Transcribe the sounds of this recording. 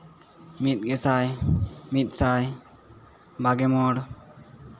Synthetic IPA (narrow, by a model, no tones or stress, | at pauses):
mit̪̚ˀɡɛsajmit̪̚ˀsaj | baɡɛmɔɽ